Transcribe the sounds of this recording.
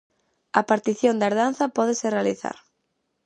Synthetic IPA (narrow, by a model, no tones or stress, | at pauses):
apaɾt̪iθjõnd̪aeɾðanθapɔðeserealiθa̰ɾ